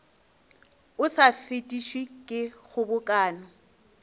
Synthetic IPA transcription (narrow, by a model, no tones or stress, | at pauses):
ʊsafetʼiʃwikʼɪɣʊbʊkʼaːnɔ